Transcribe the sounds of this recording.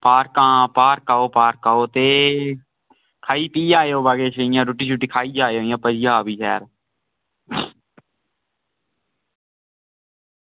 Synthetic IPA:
paːɾkãːpaːɾkaːoːpaːɾkaːoːt̪eː | kʰaːiːpiːd͡ʒaːjoːbaːɡeːt͡ʃəijãːɾuʈiːt͡ʃʰuʈiːkʰaːiːd͡ʒaːjoːjãːpəd͡ʒiːaːbiːsɛ̰ːɾ

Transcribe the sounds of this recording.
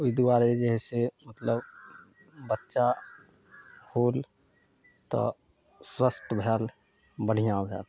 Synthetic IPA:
ʊid̪uaːɾed͡ʒəɦɛsemət̪ləb | bətːʃa | buːl | t̪ɔ̰ | sɾəsʈbʱɛːl | bəɽ̤ijãbʱɛ̰ːl

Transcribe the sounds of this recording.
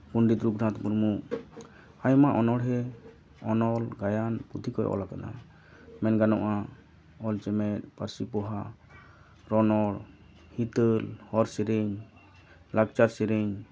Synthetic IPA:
puɳɖit̪ɾubɾʱãt̪muɾmuʔ | ajmaʔɔnɔɽɦɛ | ɔnɔlɡajanpud̪ʱikɔj̰ʔɔ̰lakana̰ | mɛnɡanɔʔa | ɔlt͡ʃɛmɛt̪̚paɾsipɔɦa | ɾɔnɔɽ | hit̪əlhɔɾsiɾeɲ | lak̚t͡ʃaɾsɛɾiɲ

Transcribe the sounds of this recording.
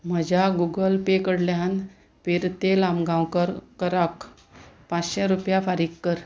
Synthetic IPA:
m̤əd͡ʑaɡuɡəlpekəɽljan | peɾt̪elamɡãwkəɾkəɾək | pãt͡sɕɛ̃ɾupjafaɾikkːəɾ

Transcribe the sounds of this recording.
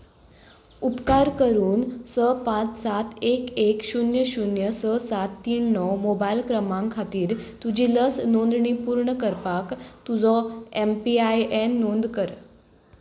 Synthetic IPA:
upkaɾkəɾuːnsəpãt͡ssat̪ʰekekɕunjəɕunjəsəsat̪ːiːɳːɔwmobailkɾəmãŋkʰat̪iːɾt̪ud͡ʑiləsnond̪ɳipuɾɳəkəɾpakt̪ud͡zɔempiajenːond̪kəɾ

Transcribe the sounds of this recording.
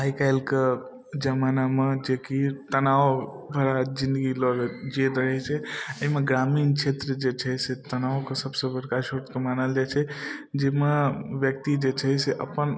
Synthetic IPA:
aikaɪlke | d͡ʒəmanamed͡ʒekit̪ənao | bʱəɾad͡ʒĩnd̪əɡilɔɡd͡ʒid̪ɾəɦɛt͡ʃʰɛəɦimeɡɾamiːnt͡ʃʰet̪ɾəd͡ʒet͡ʃʰəset̪ənaokesəbsəbəɾkaʃəɾt̪kemanəld͡ʒat͡ʃʰɛd͡ʒemeʋjək̚t̪id͡ʒet͡ʃʰɛjseʔəpən

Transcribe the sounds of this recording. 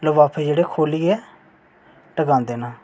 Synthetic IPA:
ləʋaːpʰeːd͡ʒeːɽeːkʰoːliːɛː | ʈəɡãːnd̪eːnaː

